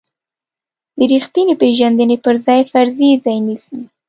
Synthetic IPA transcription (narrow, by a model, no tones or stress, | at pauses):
d̪əɾixt̪inepeʒand̪ənepəɾzɑjfaɾzizɑjnisi